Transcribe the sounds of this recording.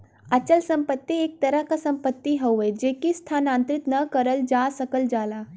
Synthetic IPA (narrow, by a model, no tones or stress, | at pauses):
ət͡ʃəlsəmpət̪ːieːk̚t̪əɾəɦkasɐ̃mpət̪ːiɦəwed͡ʒeːkist̪ʰanãːnt̪ɾɪt̪nɐkəɾəld͡ʒaːsəkəld͡ʒaːlaː